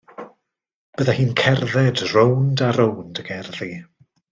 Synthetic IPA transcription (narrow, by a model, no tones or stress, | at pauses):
b̥əðahiːnkʰɛrðɛdrowndaɾowndəɡɛrði